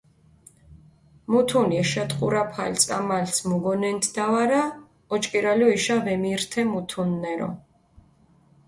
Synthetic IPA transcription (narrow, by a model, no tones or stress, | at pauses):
mut̪ʰuniɛʃat̪ʼqʼṵɾapʰa̰lt̪sʼamalsmuɡɔnɛnt̪ʰd̪avaɾa | ɔt͡ʃʼkʼiɾalɔiʃavɛmiɾt̪ʰɛmut̪ʰunːɛɾɔ̰